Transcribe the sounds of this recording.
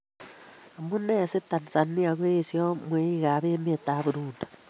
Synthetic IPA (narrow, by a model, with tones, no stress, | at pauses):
amu˦ne˦˨si˦tːa˨nisa˨ni˦a˨ɣwe˦sjo˦mwe˦iɣa˨βeː˦m˦e˨ta˨βu˨ɾuːndḁ